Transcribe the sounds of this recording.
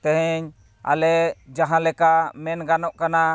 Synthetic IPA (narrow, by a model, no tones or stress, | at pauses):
t̪ɛɦɛɲ | a̰lɛd͡ʒaɦãlɛkamɛnɡanɔʔkana